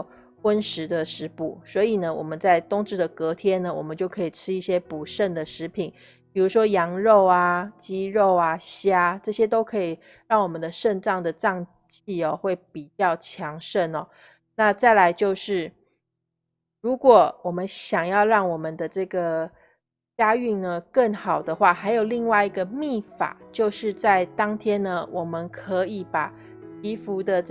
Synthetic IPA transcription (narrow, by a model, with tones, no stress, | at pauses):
xwə˥nʂɻ̩˧˥d̪ə˧ʂɻ̩˧˥pu˨˩swɔ˧˥i˨˩nə˦wɔ̰˨˩mə˦nt͡sa˥˩ɪt̪ʊ˥ŋʈ͡ʂɻ̩˥˩d̪ə˩kɤ˧˥t̪ʰjɛ˥nːə˨wɔ˨˩mə˦nt͡ɕjo˥˩ʊkʰɤ˧˥i˨˩ʈ͡ʂʰɻ̩˥i˥˩ɕjɛ˥pu˨˩ʂə˥˩nd̪ə˩ʂɻ̩˧˥pʰi˨˩˦n | pi˨˩ɻu˧˥ʂwɔ˥jɑ˧˥ŋɻo˥˩ʊa˩t͡ɕi˥ɻo˥˩ʊa˩ɕja˥ʈ͡ʂɤ˥˩ɕjɛ˥t̪o˥ʊkʰɤ˧˥i˨˩ | ɻɑ˥˩ŋwɔ˨˩mə˦nd̪ə˧ʂə˥˧nʈ͡ʂɑ˥˩ŋd̪ə˩ʈ͡ʂɑ˥˧ŋ | t͡ɕi˥˩ɔ˨˩xwe˥˩ɪpi˨˩t͡ɕjɑ˥˩ʊt͡ɕʰjɑ˧˥ŋʂə˥˧nɔ˨˩ | na˥˧t͡sa˥˩ɪla˧˦˥ɪt͡ɕjo˥˧ʊʂɻ̩˥˩ | ɻu˧˦˥kwɔ˨˩wɔ˨˩mə˦nɕjɑ˨˩ŋjɑ˥˧ʊɻɑ˥˩ŋwɔ˨˩mə˦nd̪ə˩ʈ͡ʂɤ˥˩ɡə˩ | t͡ɕja˥y˥˩ŋnə˨kə˥˩ŋxɑ˨˩ʊd̪ə˦xwa˥˩xa˧˥ɪjo˨˩ʊli˥˧ŋwa˥˩ɪi˧˥ɡə˧mi˥˩fa̰˨˩t͡ɕjo˥˧ʊʂɻ̩˥˧t͡sa˥˩ɪt̪ɑ˥ŋt̪ʰjɛ˥nnə˧wʔɔ˨˩mə˦nkʰɤ˧˥i˨˩˦pa˨˩ | t͡ɕʰi˧˥fu˧˥d̪ə˧